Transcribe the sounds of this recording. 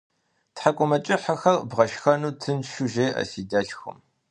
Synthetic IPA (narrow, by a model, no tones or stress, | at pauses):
tħakʷʼʊmɐt͡ʃʼɪħaxɐrbʁɐʃxɐnuːtʰɨnʃuʒeːʔɐ̰siːdɐɬxɨ̰m